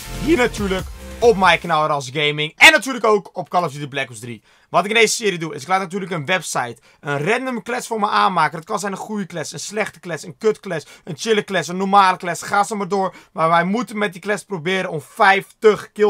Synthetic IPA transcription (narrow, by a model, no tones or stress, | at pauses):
hiəɹnatʰyːɹləkɔpmɛjknalˠəɾɔsɡejmɪŋɛnːatyːrləkoːwkɔpkɑlˠəsidəblɛkɔsdrḭ | ʋɔtɪkɪndeːzəsɪːɾijəduɪ̰sɪklaːtnat̬yːləkənʋɛpsajt | ənrɛndəməklɛsfoːɹmɛjʔaːnmaːkəndət̚kɑnsɛjnənχujəklɛsənslɛxtə̥klɛsənkøtklɛsənt͡ʃɪləklɛsənːɔmaːləklɛsχaːsəmardoːɹmaʋɛjmutənmɛt̚diklɛsprobɪːɾənɔmfɛjftəxkɪ